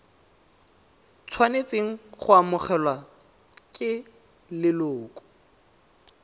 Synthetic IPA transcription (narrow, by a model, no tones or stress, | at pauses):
t͡sʰwanet͡seŋ̩χʊamʊχɛlwa | kʼɪ | lɪloːkʼʊ̥